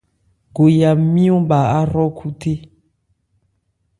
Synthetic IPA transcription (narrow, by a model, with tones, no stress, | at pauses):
ɡo˨ja˨mĩ˦ɔ̃˦ɓa˨a˦ɾɔ˦kʰu˦tʰe˦